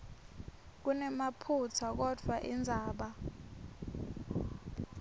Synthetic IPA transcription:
k̬unɛmapʰutʰak̬ɔd̥ʱwaʔind͡zʱaːɓa

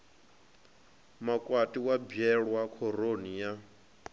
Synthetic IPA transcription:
makʼwatʼiwabɛɺwakʰɔɾonija

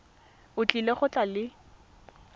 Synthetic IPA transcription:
ʊt͡ɬʼileχʊt͡ɬʼalɪ

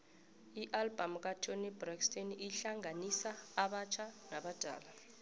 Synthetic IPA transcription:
iʔalb̥ʱamk̬ʼatʰonɛbrakstʼeniɬaŋanisaːɓat͡ʃʰanaɓad̥ʱa̰ːla

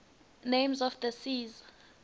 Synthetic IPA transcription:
nejmzɔfdəsiz

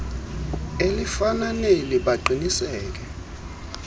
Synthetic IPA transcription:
elifananeliɓaǃʱinisɛːk̬ɛ

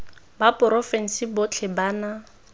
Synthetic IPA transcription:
bapʼɔɾɔfɛn̩sibot͡ɬʰɪbaːna

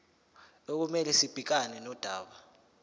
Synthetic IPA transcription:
ok̬umɛlɛsib̥ʱik̬anɛnɔd̥ʱaːɓa

